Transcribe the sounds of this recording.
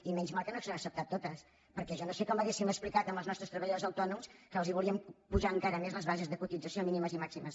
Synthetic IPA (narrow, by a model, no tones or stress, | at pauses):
imɛɲzmalˠkənoksonəksəp̚t̪at̪ːot̪əs | pəɾkɛʒɔnosekɔməɣesiməksplikat̪əmbəlˠznɔst̪ɾəst̪ɾəβəʎəðozəwt̪ɔnumskəːlˠziβulˠiəmpuʒaəŋkaɾəmezləzβazezðəkut̪id͡zəsiominiməzimaksiməs